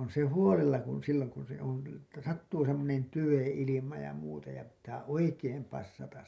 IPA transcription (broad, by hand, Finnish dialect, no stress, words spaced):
on se huolelːɑ kun silːoŋ kun se on læ etːæ sɑtːuː semːonen tyʋen̞ ilimɑ jɑ muːtɑ jɑ pitːæː oikeːm pɑsːɑtɑs